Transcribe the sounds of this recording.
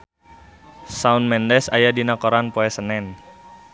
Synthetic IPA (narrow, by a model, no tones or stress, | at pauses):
saunmɛndɛsajadinakoɾanpoɛsənɛn